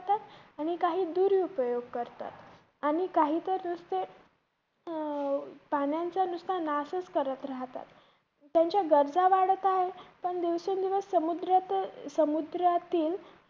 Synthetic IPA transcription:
t̪at̪aɽ̃ikaɦiːd̪uɾiupəjoɡ̚kəɾt̪a̰t̪ | aɽ̃ikaɦiːt̪əɾnust̪e | panjant͡sanust̪ʰanasəskəɾət̪ɾaɦt̪a̰t̪ | t̪jaɲt͡ɕjaɡəɾd͡zaʋaɽət̪aɦepəɳd̪eʋsund̪iʋəsəmud̪ɾat̪səmud̪ɾat̪iːl

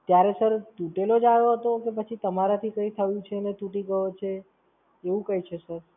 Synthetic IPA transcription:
t̪jaɾesəɾt̪uʈelod͡ʒaʋoɦət̪okep̬ət͡ʃʰit̪əmaɾat̪ʰikə̃ĩt̪ʰəʋjũt͡ʃʰenet̪uʈiɡəot͡ʃʰe | eʋũkəjt͡ʃʰesəɾ

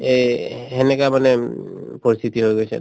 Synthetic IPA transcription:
eɦenekamane | pɔɾist̪ʰit̪iɦojɡojsʰḛ

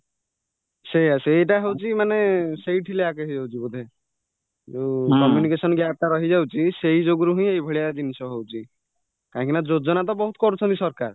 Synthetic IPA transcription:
sejaseeʈ̬aɦewt͡ʃʰimanesejʈʰileakɔɦid͡ʒawt͡ʃʰibud̪ʱe | d͡ʒekɔmjunikesɔnɡjap̚t̪aɾɔɦid͡ʒawt͡ʃʰisejd͡ʒoɡɾuɦũĩejbʱɔɽijadinisɔɦewt͡ʃʰi | kãkinad͡ʒod͡ʒɔnat̪̬ɔbɔɦut̪kɔɾut͡ʃʰɔnt̪isɔɾka̰ɾ

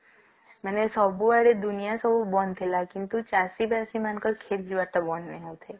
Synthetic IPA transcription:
mɛnesɔbuaɽed̪ʊnijasɔbubɔnt̪ʰelakɪnt̪ut͡ʃasibasimankəɾkʰeɾd͡ʒiʋaʈabɔnmẽɦot̪ʰe

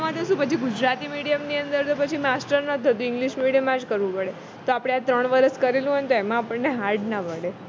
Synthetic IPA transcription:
amãt̪eʃũpət͡ʃʰiɡud͡ʒɾat̪imiɽijəmniənd̪əɾt̪opət͡ʃʰimasʈəɾnət̪ʰət̪ũɪ̃ŋɡliʃmiɽijəmãd͡ʒkəɾʋũpəɽe | t̪oapɽ̃eat̪ɾəɳʋəɾəskəɾelũɦɔnt̪oɛmãapəɳːeɦaɾʈnapəɽe

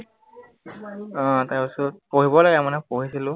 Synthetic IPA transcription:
tajpasɔt̚poɦibɔlaɡɛmanɛpoɦisilʊ̃

